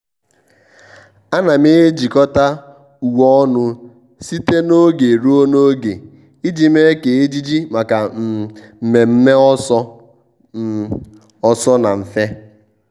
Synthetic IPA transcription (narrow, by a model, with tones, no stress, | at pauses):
a˦na˨me˦d͡ʒi˨kɔ˦ta˦ | u˨wɔ˦nʊ˦ | si˦te˦no˦ɡe˨ɾu˦o˦no˦ɡe˨ | i˦d͡ʒi˨me˦ke˨e˦d͡ʒi˦d͡ʒi˦ma˨ka˨m̩˨me˨m̩˦me˦ɔ˦ɔ˦ | ɔ˨sɔ˦na˨m̩˨fe˦